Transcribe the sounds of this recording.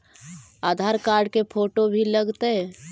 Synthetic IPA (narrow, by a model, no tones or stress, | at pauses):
aːd̪ʱaːɾkaːɾɖ̚kepʰoːʈobʱiləɡt̪e